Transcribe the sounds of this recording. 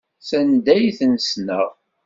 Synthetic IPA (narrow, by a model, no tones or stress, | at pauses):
sænd̪æjθənsnəʁ